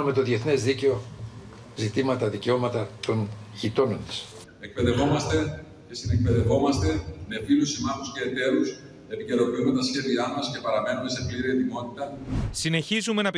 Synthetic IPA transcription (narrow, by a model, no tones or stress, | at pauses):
ume̞t̪o̞ðieθnezðice̞o̞ | zit̪imɐt̪ɐðice̞o̞mɐt̪ɐt̪o̞nʝit̪o̞no̞nt̪i̥s | ek̚pe̞ðe̞vo̞mɐst̪e̞ | cesine̞k̚pe̞ðe̞vo̞mɐst̪e̞me̞filusimɐθusce̞ːt̪e̞ɾus | e̞pice̞ɾo̞piununt̪ɐsçe̞ðiɐmɐsce̞pɐɾɐme̞nume̞se̞pliɾiet̪imo̞t̪it̪ɐsine̞çizume̞nɐp